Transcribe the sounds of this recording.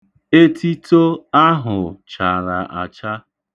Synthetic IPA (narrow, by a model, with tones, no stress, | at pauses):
e˦tʰi˦to˦a˦ɦʊ˨t͡ʃa˨ɾa˨ʔa˨t͡ʃa˦